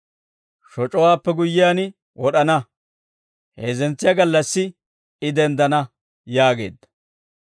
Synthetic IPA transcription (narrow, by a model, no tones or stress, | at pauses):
ʃɔt͡ʃʼɔwaːpːɛɡʊjːɪjaːn | wɔɗɐnɐ | heːzɛnt͡sːɪjɐɡɐlːɐsːɪ | ɪd̪ɛnd̪ɐnɐ | jaːɡe̞̰ːd̪ːɐ̥